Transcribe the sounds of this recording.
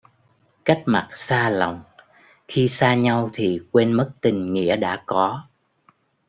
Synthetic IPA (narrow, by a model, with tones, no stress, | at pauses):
ka˦˥jk̚ma˨˩t̚saː˧lɔ̰˧˨wŋ͡m | xi˧saː˧ɲa˧wt̪ʰi˨˩kwe˧nmə˦˥t̚t̪ï˨˩ŋ̟ŋḭ˧˥əɗa̰ː˧˥kɔ˨˦